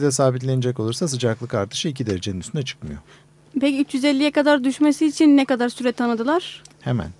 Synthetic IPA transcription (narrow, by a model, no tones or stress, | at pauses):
d̪ɛsaːbit̪̬lʲe̞ned͡ʒɛco̞lˠuɾsas̬ɯd͡ʒaklˠɯkaɾt̪ʰɯ̥ʃɯicʰid̪eɾed͡ʒeninyst̪ynɛt͡ʃʰɯ̥kmɯjo̞̰ | peciyt͡ʃjyzelʲːijɛkad̪aɾd̪yʃmesiːt͡ʃʰinːɛkad̪aɾsyɾɛt̪ʰːanɯd̪ɯlˠaɾ̥hemæ̰n